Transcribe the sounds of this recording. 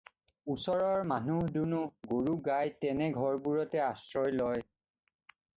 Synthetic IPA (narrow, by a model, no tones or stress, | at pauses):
usɔɹɔɹmanuɦdunuɡoɹuɡajtɛnɛɡʱɔɹbuɹɔtɛasɹɔjlɔj